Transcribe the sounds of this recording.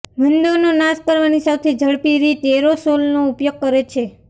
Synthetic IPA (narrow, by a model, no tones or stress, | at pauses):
mənd̪oɾnonaspəɾʋanisat̪ʰed͡ʒʱəɭpiɾit̪eɾosolnoupjoɡ̚kəɾet͡ʃʰe